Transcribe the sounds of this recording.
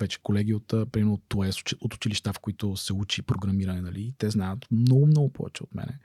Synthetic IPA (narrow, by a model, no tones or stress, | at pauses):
vɛt͡ʃɛ̥kolɛɡʲiot̪ːpɾimɛɾot̪ːoɛsot̪ʊ̥t͡ʃiliʃt̪afkoit̪ʊsɛut͡ʃipɾoɡɾɐmiɾɐnɛnɐliːt̪ɛznajət̪mnɔɡʊmnɔɡʊpɔ̰vɛ̰t͡ʃɛot̪mɛ̰nɛ